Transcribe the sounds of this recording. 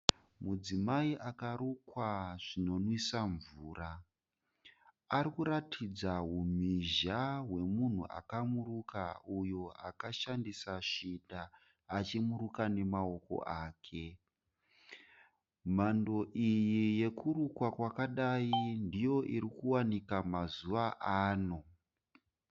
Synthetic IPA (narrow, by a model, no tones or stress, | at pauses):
mud͡zimaiʔakaɾukwaʐ̥ino̞nwisaɱvuːra | ɾikuɾatʰid͡zaɦum̤iʒaɦwe̞mun̤ṵʔa̰kamurukaujo̞akaʃandisaʂidaː | t͡ʃimuɾukane̞mao̞ko̞̰ʔaːkʰe̞ | m̤ando̞ʔijije̞kuɾukwakwakaɗaindijo̞ʔiɾikuwanikamazuʋaʔaːno̞